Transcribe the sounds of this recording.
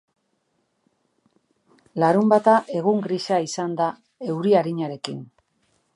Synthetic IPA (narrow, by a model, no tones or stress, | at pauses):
laɾumbat̪aʔe̞ɣ̞uŋɡɾisaisand̪a | e̞wɾiaɾiɲaɾe̞kḭn